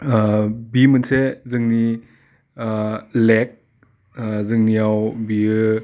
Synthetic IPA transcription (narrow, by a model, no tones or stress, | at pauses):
bimɯnsezɯŋni | lek̚ | zɯŋnijawbiɯ